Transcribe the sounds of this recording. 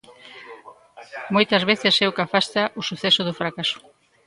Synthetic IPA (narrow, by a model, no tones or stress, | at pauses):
mojt̪ɐzβ̞eθesɛwkafast̪aʔosuθɛsoðʊfɾakasʊ̥